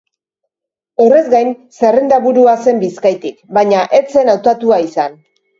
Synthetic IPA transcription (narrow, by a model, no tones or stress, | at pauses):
ore̞zɡajnse̞rend̪aβuɾuase̞mbiskajt̪ikbaɲaʔe̞t͡se̞nawt̪at̪uaisan